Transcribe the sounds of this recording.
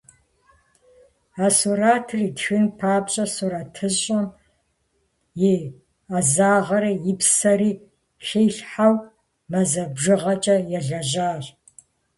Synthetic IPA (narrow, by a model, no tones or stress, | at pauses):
aːsuraːtʰriːtxɨnpʰaːpɕʼɐsuɾatʰɨʑʼɐm | je | azaːʁɐɾɐjɪpsɐɾiː | xeːɬħaw | mɐzɐbʒɨʁɐt͡ʃʼɐjɛɮɐʑaːɕʼ